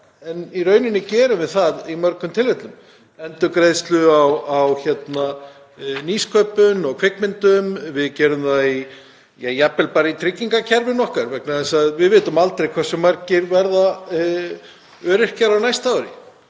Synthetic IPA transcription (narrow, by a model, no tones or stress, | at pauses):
ɛniɾœːɥnɪnɪcɛːɾʏvɪðθaðimœɾkʏmt̪ʰɪlvɛht̪lʏm | ɛnt̪ʏkɾeðst̪lʏawawçɛt̪na | niːskʰœːpʏnɔɣkʰvɪkmɪnt̪ʏmvɪðcɛːɾʏmðai | jajapɛlpaːɾɪit̪ʰɾɪcːiŋkacʰɛɾvɪnːɔhkaɾvɛk̚naðɛsaðvɪðvɪːt̪ʏmalt̪ɾejkʰvɛr̥sʏmaɾcɪɾvɛɾða | œːɾɪr̥caɾawnajst̪aːwɾɪ̰